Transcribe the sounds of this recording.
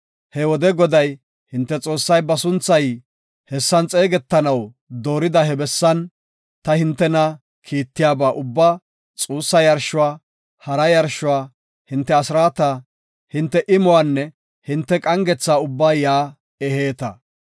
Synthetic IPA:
hɛwɔd̪ɛɡɔd̪ɐj | hɪnt̪ːɛt͡sʼo̞ːsːɐjbɐsʊnt͡sːɐj | hɛsːɐnt͡sʼe̞ːɡɛt̪ːɐnɐw | d̪o̞ːɾɪd̪ɐɦɛbɛsːɐn | t̪ɐhɪnt̪ːɛnɐ | kʰiːt̪ːɪjaːbaːʔʊbːaː | t͡sʼuːsːɐjɐɾʃʊwaː | hɐɾɐjɐɾʃʊwaː | hɪnt̪ːɛɐsɪɾaːt̪aː | hɪnt̪ːɛʔɪmʊwaːnːɛ | hɪnt̪ːɛkʼɐŋɡɛt͡sːaːʊbːaːjaː | ɛheːt̪ɐ

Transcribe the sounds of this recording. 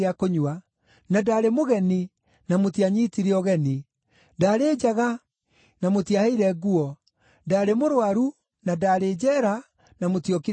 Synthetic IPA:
akoɲwa | nadaɾemoɣɛni | namotiaɲitiɾeɔɣɛni | daːɾeːd͡ʑaɣa | namotiahɛiɾɛɡuɔ | daːɾemoɾwaɾu | nadaɾed͡ʑɛːɾa | namotiɔki

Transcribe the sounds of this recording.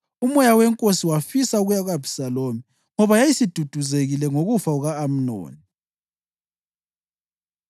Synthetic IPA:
umɔjawɛŋkʼosiwafisauɣujaɣabʱi̥saloːmi | ŋɔβajajisid̥ʱud̥ʱuzeɣilɛŋoɣufauɣaːm̩no̰ːni

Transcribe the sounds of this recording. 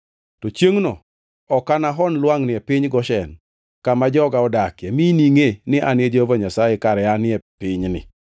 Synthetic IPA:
tɔt͡ʃjeŋnɔ | ɔkanaɦɔnlwaŋnɪɛpɪɲɡɔʃɛn | kamad͡ʒɔɡaɔdakjeminiŋenɪʔanɪed͡ʒovaɲasajekaɾɛanɪɛpɪɲnɪ̰

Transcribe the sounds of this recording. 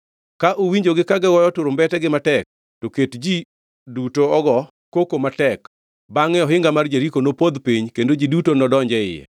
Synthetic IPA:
kaʔowiɲd͡ʒoɡɪkaɡɛwɔjɔtʊɾʊmbɛtɛɡɪmatɛk̚ | toketd͡ʒi | dutoɔɡɔ | kokomatɛk | baŋɛɔɦɪŋɡamard͡ʒeɾikonopod̪piɲkendod͡ʒidutonɔdɔɲd͡ʒɛɪ̰jɛ̰

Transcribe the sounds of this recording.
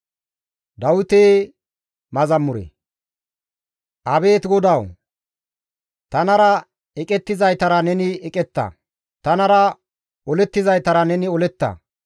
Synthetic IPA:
d̪ɐwʊt̪eː | mɐzɐmːʊɾḛ | ʔɐbeːt̪ɡɔd̪ɐw | t̪ɐnɐɾɐ | ɛkʼɛt̪ːɪzɐjt̪ɐɾɐnɛnɪɛkʼɛt̪ːɐ̰ | t̪ɐnɐɾɐ | ɔlɛt̪ːɪzɐjt̪ɐɾɐnɛnɪɔlɛt̪ːɐ̰

